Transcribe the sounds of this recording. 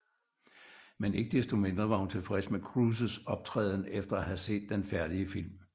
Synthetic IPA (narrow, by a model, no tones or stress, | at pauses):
mene̝ɡ̥əd̥esd̥o̝me̝nd̥ʁɐʋɑ̈hunt͡sʰe̝lfʁɛsmekʰʁuːs̬əsɒ̽b̥̚t͡sʰʁɛ̰ːðˠnefd̥ɐæhæse̝̰ːd̥ːenfæɐɾ̥iəfil̰m